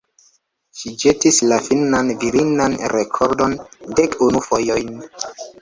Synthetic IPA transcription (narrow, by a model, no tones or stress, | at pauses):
ʃid͡ʒetislafinanviɾinanɾekʰoɾdo̞ndekunufojojn